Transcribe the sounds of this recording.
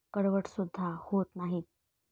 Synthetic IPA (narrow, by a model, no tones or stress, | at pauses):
kəɽʋəʈsud̪ʱːahot̪naɦi